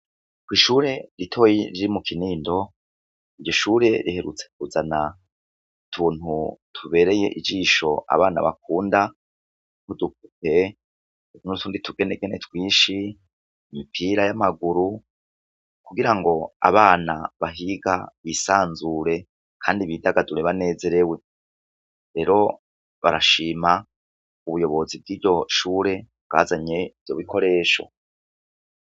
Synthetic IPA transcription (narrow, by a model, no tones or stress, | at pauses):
kwiːʃuːɾe̞ɾitʰo̞jiɾiɾimukʰiniːndo̞ | iɟo̞ʃuːɾe̞ɾihe̞ɾṵt͡se̞kuzana | tʰuːn̥hutʰuβe̞ːɾe̞je̞̰ʔid͡ʒiːʃo̞ʔa̰βaːna̰βa̰k̚uːnda | huduk̚ute̞ | uzunutʰuːnditʰuɡe̞neɡenetwiːʃi | mipʰiɾajamaɡuɾu | kuɡiɾaŋɡo̞a̰βaːnaβaɦiɡaβisaːnzuɾe̞ | kʰaːndiβidaɡaduɾeβane̞ːze̞ɾewe̞ | ɾe̞ːɾo̞ | βaɾaʃiːma | uβujo̞βo̞zib̚ɡiːɾɟo̞ʃuːɾe̞bɡa̰ːzaɲe̞ivjo̞βikʰo̞ɾe̞ːʃo̞̰